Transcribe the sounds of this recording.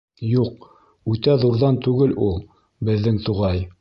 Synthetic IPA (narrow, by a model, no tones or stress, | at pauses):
juq̚ | ʉt̪æðuɾðɑnt̪ʉɡɘlulˠ | bɘ̆ðːɘŋt̪uʁɑj